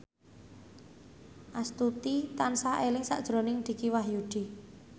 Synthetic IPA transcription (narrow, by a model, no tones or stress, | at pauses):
ʔast̪ut̪it̪ansaʔelɪŋsa̰ʔd̥ʒ̥ɾo̤nɪŋd̪̥i̤kiwahjuɖ̪̥i̤